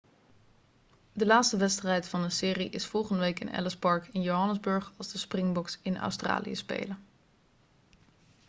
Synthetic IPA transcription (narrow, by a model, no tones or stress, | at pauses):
dəlaːtstəʋɛtstrɛjtfɑndəsɪːriʔɪsfɔlˠχəndəʋejkɪ̰nɛ̰ləspɑɹkɪnjowɦɑnəzbɵɹχɑlˠzdəsprɪŋbɔksɪnœ̰wstra̰ːlḭə̰spḛjlən